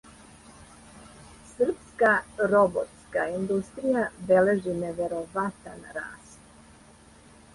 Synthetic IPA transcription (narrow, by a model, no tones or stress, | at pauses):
sr̩pskaɾo̞bot̪skaind̪ust̪ɾijabe̞le̞ʒineʋe̞ɾo̞ʋat̪anɾa̰ːst̪